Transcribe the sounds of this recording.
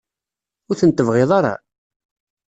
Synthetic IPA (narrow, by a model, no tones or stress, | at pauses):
ʊɾθənt̪ːəvʁeðˤɑɾˤɑ̰